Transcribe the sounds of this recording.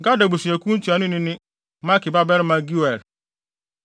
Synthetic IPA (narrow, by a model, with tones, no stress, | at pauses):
ɡa˦da˨bu˨si˨æ˨kʰũ˦n̩˦tʰi˨a˨nʊ̃˦nɪ̃˦nɪ̃˦ | mã˦kɪ˨ba˦bɛ˦ɾmã˨ɡu˦ɛ˨ɾ